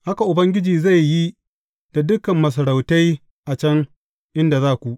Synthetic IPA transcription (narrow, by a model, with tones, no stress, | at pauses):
ha˦ka˨ʔʊ˨bɐ˦ŋɡʲɪ˦d͡ʒiː˨za˦˨jːi˦ | d̥a˨dʊ˦kɐ˨mːɐ˨s̬ɐ˨ɾa˨wta˦j | ʔa˨t͡ʃɐ˦ŋ | ʔɪ˦nda˨zaː˦kʷu˨ʔ